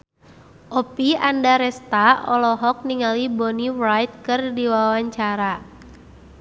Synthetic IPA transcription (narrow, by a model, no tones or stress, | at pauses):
ʔɔpiandaɾɛst̪aɔlɔɦɔk̚niŋalibɔniwrajt̪̚kɨrdiwaawaɲt͡ʃaɾa